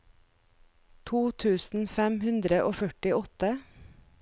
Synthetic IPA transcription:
t̪ʰuːt̪ʰʉːsn̩fɛmhʉnd̪ɾəʔoːfœʈɪʔɔt̪ə

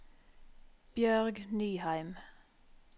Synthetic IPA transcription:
b̥jœːʁɡnyːhæɪm

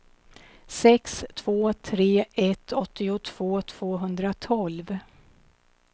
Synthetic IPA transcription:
sɛkst̪ʰv̥oːt̪ʰɾeːɛt̪ʰːɔt̪ːɪʊt̪ʰv̥oːt̪ʰv̥oːɦɵnd̪ɾat̪ʰɔlv

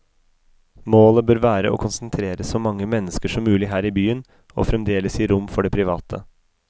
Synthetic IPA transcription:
moːləbøːɾʋæːɾə̰ʔo̰ːkʰʊnsnt̪ʰɾeːɾəsɔmɑŋːəmɛnːəskəʂɔmːʉːlɪɦæːɾiːbyːən | o̰ːfɾɛmd̪eːləsiːɾʊmːfɔɖɛpʰɾɪʋɑːt̪ʰə

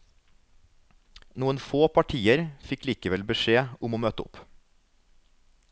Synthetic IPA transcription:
nuːənfoːpʰɑʈʰiːəɾfɪkliːkəʋɛlbəʃeːʊmoːmøːt̪əʊ̰p

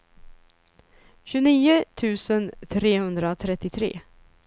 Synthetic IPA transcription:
ɕɵniːʊt̪ʰʉ̟ːsənt̪ʰɾeːhɵnd̪ɾat̪ʰɾɛt̪ːɪt̪ʰɾḛː

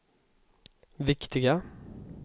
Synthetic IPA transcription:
vɪkt̪ɪɡa

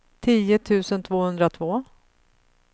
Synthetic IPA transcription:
t̪ʰiːət̪ʰʉ̟ːsənt̪ʰvoːhɵnd̪ɾat̪ʰvoː

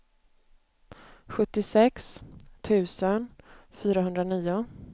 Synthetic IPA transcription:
ɧɵt̪ːɪsɛkst̪ʰʉ̟ːsənfyːɾaɦɵnd̪ɾaniːʊ

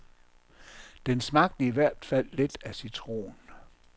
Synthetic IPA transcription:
d̥ensmɑ̈ɡ̥̚d̥əiʋæɐ̰d̥fæl̰ːe̝d̥æsit͡sʰʁo̝̰ːn

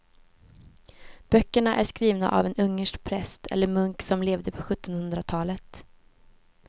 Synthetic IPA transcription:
b̥œkːəɳaʔæʂkɾiːvna̰ʔa̰vɛnɵŋːəʂkpʰɾɛst̪ʰɛ̰lːəɾmɵŋksɔmleːvd̪əpʰɔɧɵt̪ːɔnhɵnd̪ɾat̪ʰɑːlət̪

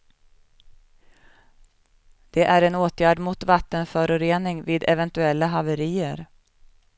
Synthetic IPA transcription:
d̪̥ɛʔæɾɛnoːt̪jæːɖmʊt̪vat̪ːənfœːɾʊɾeːnɪŋviːd̪ɛvɛnt̪ɵɛlːaɦavəɾiːəɾ

